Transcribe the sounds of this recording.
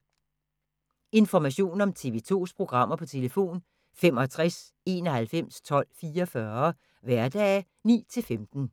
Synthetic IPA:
e̝nfɒmæɕo̝̰ːnɒ̽mt͡sʰe̝ʋe̝ːt͡sʰo̝̰ːspʰʁo̝ɡ̥ʁɑ̈m̰ɐpʰɒ̽t͡sʰe̝ləfo̝̰ːn | femɒt͡sʰʁas | e̝nɒhælfem̰st͡sʰɒ̽l̰fiːɐfɶːɐ | ʋæɐd̥ɛ̰ː | nḭːt͡sʰe̝lfemd̥n̩

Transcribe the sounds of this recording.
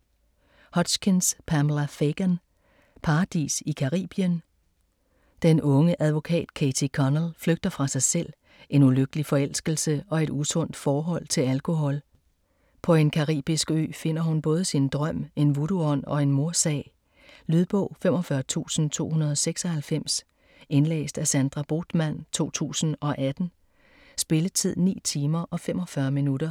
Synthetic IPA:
hɒ̽d̥sɡ̥enspʰæmlæfeɡ̥æn | pʰɑ̈ːd̥ḭsikʰɑ̈ʁḭːb̥iən | d̥enʔɔ̽ŋəʔæðˠʋo̝kʰɛ̰ːd̥kʰeɪt͡sʰikʰɒnəl̩fløɡ̥̚d̥ɐfʁɑ̈sɑ̈ɪsel̰ | ʔe̝nuløɡ̥əlifɒ̽el̰sɡ̥l̩səɒ̽e̝ɾ̥usɔ̽n̰d̥fɒːɦɒ̽l̰t͡sʰe̝lælkʰo̝ɦɒ̽l | pʰɒ̽e̝nkʰɑ̈ʁḭːb̥isɡ̥ø̰ːfe̝n̰ɐhunb̥ɔ̽ːðˠəsind̥ʁɶm̰e̝nʋuɾuɒ̽n̰ɒ̽e̝nmo̝ɐsɛ̰ː | lyðˠb̥ɔ̰̽ʊ̰fem̰ɒ̽fɶɐt͡sʰṵːsn̩t͡sʰo̝̰ːhunɐð̞ˠɒ̽seɡ̥sɒ̽hælfem̰s | e̝nlḛːsd̥æsænd̥ʁɑb̥o̝̰ːd̥mæn̰t͡sʰo̝̰ːt͡sʰṵːsn̩ɒ̽ʔæd̥n̩ | sb̥e̝ləð̩ˠt͡sʰið̰ˠnḭːt͡sʰiːmɐʔɒ̽fem̰ɒ̽fɶɐminuɾɐ

